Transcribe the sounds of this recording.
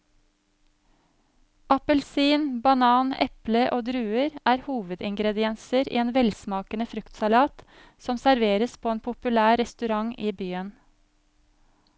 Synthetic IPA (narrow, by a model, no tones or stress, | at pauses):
ʔɑpəlsiːnbɑnɑːnɛ̰pləʔoːd̪ɾʉːəɾʔæːɾhuːʋəd̪ɪŋɡɾɛd̪ɪɛnsəɾʔḭːeːnʋɛlsmɑːkənəfɾʉkt̪sɑlɑːt̪ | sɔmsæɾʋeːɾəspʰoːeːnpʰʊpʉlæːɾɛst̪ʉɾɑŋiːbyːən